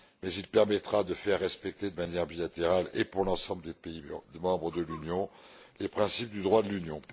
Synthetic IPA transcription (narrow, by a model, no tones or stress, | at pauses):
mɛzilpɛʁmɛt̪χad̪əfɛʁːɛspɛk̚t̪ed̪əmanjɛʁbilat̪eʁalepuʁlɑ̃sɑ̃bləd̪epeimɑ̃bʁəd̪əlynjɔ̃ | lepχɛ̃sip̚d̪yd̪ʁwad̪əlynjɔ̃